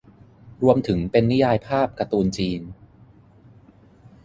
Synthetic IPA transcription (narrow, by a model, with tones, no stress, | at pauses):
ɾu˧əmt̪ʰɯ˩˦ŋpe˧nːi˦˥jaː˧jpʰaː˥˩p̚ka˧t̪uː˧nt͡ɕiː˧n